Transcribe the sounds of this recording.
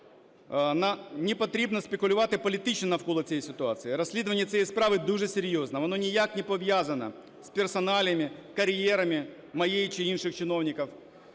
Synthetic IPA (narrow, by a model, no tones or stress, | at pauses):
nɐnʲɪpɐt̪ɾʲebnəspʲɪkʊlʲʊvat̪ɨpəlʲɪt̪it͡ɕnənɐfkolˠɐsʲejsʲɪt̪ʊat̪sɨɪɾɐsʲlʲid̪əvənʲɪjət̪sʲɛjejspɾavɨd̪uʐɛsʲɪɾʲjoznəɐnonʲɪjaknʲɪpɐvʲjazɐnə̰ | sʲpʲɪrsɐnalʲɪmʲɪkɐɾʲjeɾɐmʲɪ | mɐjejt͡ɕɪinʂɨxt͡ɕɪno̞vnʲɪkəf